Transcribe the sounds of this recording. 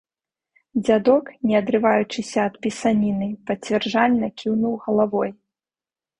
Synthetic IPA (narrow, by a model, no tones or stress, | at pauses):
d͡zʲad̪ɔknʲɛɐd̪ɾɨvajut͡ʂɨsʲɐːt̪pʲisanʲinɨpɐt͡sʲvʲɛrʐalʲnɐkʲiwnuwɣɐlˠavɔj